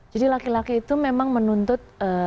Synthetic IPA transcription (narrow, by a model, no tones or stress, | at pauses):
d͡ʒadilakilakiːt̪umemaŋmənunt̪ʊt̪̚ə